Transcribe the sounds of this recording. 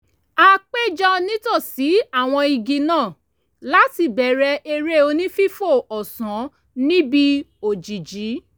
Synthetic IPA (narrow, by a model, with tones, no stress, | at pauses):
a˧k͡pe˦d͡ʒɔ˧nĩ˦tɔ˦˨si˨˦a˦˨w̃ɔ̃˧i˧ɡĩ˧nãː˦˨ | la˨˦ti˧˨bɛ˨ɾɛ˧ʔe˧ɾe˦o˧nĩ˦fi˦fo˦˨ɔ˨sã˨˦ | nĩ˦bi˦o˨d͡ʒi˨d͡ʒi˨˦